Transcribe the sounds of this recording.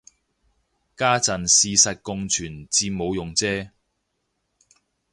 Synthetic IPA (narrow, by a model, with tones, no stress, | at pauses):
kaː˥t͡sɐ˨nsiː˧sɐ˨t̚kʊ˧ŋt͡ʃʰyː˨˩nt͡siː˧mo˨˧wjʊ˨ŋt͡sɛː˥